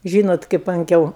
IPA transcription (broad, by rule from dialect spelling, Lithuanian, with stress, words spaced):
ˈʒʲiːnoːt kɐɪp ɐŋʲˈkʲɛʊ